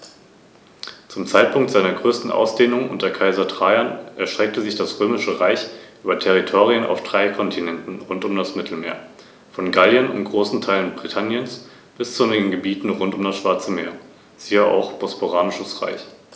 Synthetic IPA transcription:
t͡sʊmt͡saɪt̚pʰʊŋktz̥aɪnɐɡʁøːstn̩ʔa̰ʊsd̥eːnʊŋʔʊ̰ntɐkʰaɪzɐtʁ̥aɪɐnʔɛɐʃtʁ̥ɛk̚təzɪçd̥asʁøːmɪʃəʁaɪçʔyːbɐtʰɛʁ̞itʰoːʁiəna̰ʊfd̥ʁaɪkʰɔntʰinɛntn̩ʁʊntʊmdasmɪtʰl̩meːɐ | fɔnɡaljənʊ̰ntɡ̥ʁoːsn̩tʰaɪlənbʁitʰanjəns | b̥ɪst͡suʊɛnɪɡn̩ɡəbiːtn̩ʁʊntʊmdasʃv̥aɐt͡səmeːɐ | z̥iːəʔa̰ʊxb̥ospoʁaːnɪʃəsʁa̰ɪç

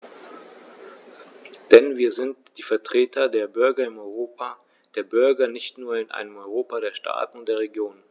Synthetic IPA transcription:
d̥ɛnviːɐzɪntd̥iːfɛɐtʁ̥eːtʰɐdeːɐbʏɐɡɐɪmɔʏʁoːpa | d̥eːɐbʏɐɡɐnɪçtnuːɐɪnʔa̰ɪnəmɔʏʁoːpaɾeːɐʃtʰa̰ːtn̩deːɐʁeɡjoːn

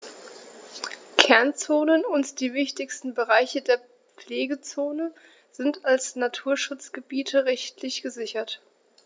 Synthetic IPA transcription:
kʰɛɐnt͡soːnənʊntd̥iːvɪçtɪçstn̩bəʁaɪçədeːɐ | p͡fleːɡət͡soːnə | zɪntalsnatʰuːɐʃʊt͡sɡ̥əbiːtʰəʁɛçtlɪçɡ̥əzɪçɐt

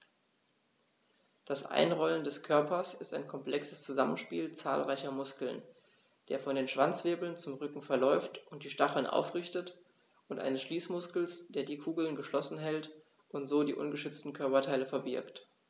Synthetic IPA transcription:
d̥asʔa̰ɪnʁɔləndɛskʰœɐpɐsɪstaɪnkʰɔmpl̥ɛksəst͡suzamənʃpiːlt͡sa̰ːlʁaɪçɐmʊskl̩n | d̥eːɐfɔndeːnʃv̥ant͡sv̥eːbl̩nt͡sʊmʁʏkŋ̩fɛɐlɔʏftʔʊnt̚d̥iːʃtaχl̩nʔa̰ʊfʁ̥ɪçtət | ʔʊntʔa̰ɪnəsʃliːsmʊskl̩sd̥eːɐdiːkʰuːɡl̩nɡəʃlɔsn̩ɦɛlt | ʔʊntz̥oːdiːʔʊnɡəʃʏt͡stn̩kʰœɐpɐtʰaɪləfɛɐbɪɐkt

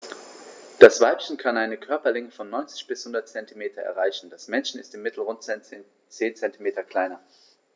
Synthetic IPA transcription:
d̥asv̥aɪpçən̩kʰanʔaɪnəkʰœɐpɐlɪŋəfɔnːɔʏnt͡sɪ̥çb̥ɪshʊndɐtt͡sɛntimeːtʰɐʔɛ̰ɐʁaɪçn̩d̥asmɛnçn̩ɪstɪmːɪtʰl̩ʁʊnt | t͡seːnt͡sɛntimeːtɐkl̥aɪnɐ

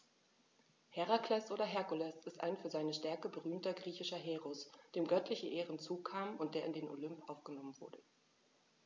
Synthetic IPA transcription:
hɛʁakl̥ɛsʔoːɾɐɦɛɐkʊlɛsɪstʔaɪnfyːɐzaɪnəʃtɛɐkəbəʁyːmtɐɡʁiːçɪʃɐɦeːʁɔsd̥eːmɡœtlɪçəʔeːʁənt͡suːkʰaːmʊnt̚d̥eːɐɪndeːnʔo̰lʏmpʔaʊfɡ̥ənɔmənvʊ̰ɐdə

